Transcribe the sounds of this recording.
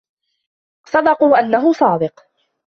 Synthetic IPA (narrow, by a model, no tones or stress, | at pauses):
sˤɑd̪ɑquːʔanːaɦʊsˤɑːd̪ɪq